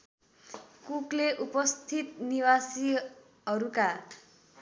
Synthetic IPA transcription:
kukleʔupʌst̪ʰit̪niwasi | ɦʌɾuka

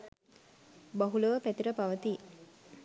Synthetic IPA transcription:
baɦuləʋəpæt̪iɾəpaʋət̪i

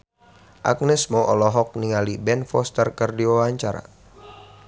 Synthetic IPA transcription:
ʔa̰k̚nɛsmɔʔɔlɔɦɔk̚niŋalibɛnfɔst̪ərkərdiwawaɲt͡ʃaɾa̰

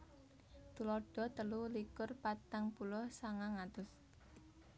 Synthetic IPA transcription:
t̪ulɔɖ̥ɔ̤t̪əlulikʊrpat̪aŋpulʊhsaŋaŋat̪ʊs

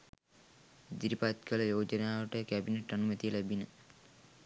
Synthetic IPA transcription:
d̪iɾipat̪kələjoːd͡ʒənaːʋəʈəkæbineʈːanumət̪ijəlæbinə

